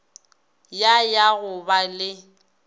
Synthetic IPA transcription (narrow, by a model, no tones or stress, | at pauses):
jajaɣʊbalɪ